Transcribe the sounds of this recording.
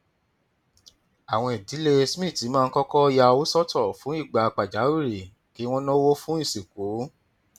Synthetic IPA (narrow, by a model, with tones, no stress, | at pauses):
a˨w̃ɔ̃˧i˨di˨˦le˧smĩ˦˨ti˨˦mãː˦˧n̩˦kɔ˦kɔ˦˧ja˧wo˦sɔ˦tʰɔ˦˨fũ˨˦i˦˨ɡ͡ba˨˧k͡pa˨d͡ʒa˨˦u˦˨ɾi˨ | ki˨˦w̃ɔ̃˦nɔ̃˦wo˦fũ˦i˦˨si˨ko˨˦